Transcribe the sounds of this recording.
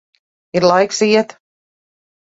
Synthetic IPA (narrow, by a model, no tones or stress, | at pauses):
iɾlˠajksiɛt̪